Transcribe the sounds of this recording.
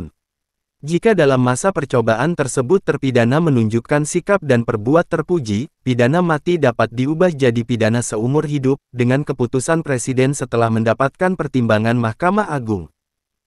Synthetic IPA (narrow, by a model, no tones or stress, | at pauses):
n | d͡ʒikadalamːasapərt͡ʃobaʔant̪ərsəbʊt̪ːərpidanamənuɲd͡ʒukansikap̚danpərbuat̪ːərpud͡ʒipidanamat̪idapat̪̚diubahd͡ʒadipidanasəumʊrɦidʊp̚dəŋankəput̪usanpɾesidɛnsət̪əlahməndapat̪̚kanpərt̪imbaŋanmahkamaaɡʊŋ